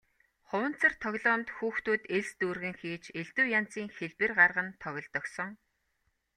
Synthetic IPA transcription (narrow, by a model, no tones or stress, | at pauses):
χʊwə̆n̥t͡sə̆rt̪ʰɔɣʲɮɔːmt̪xuːxt̪uːt̪eɮst̪uːrɣɘ̆ŋxiːt͡ɕeɮt̪uːjan̥t͡siːŋxeɮpɘ̆rɢarʁə̆nt̪ʰɔɣʲɞ̆ɮt̪ɞ̆ksɞ̆ŋ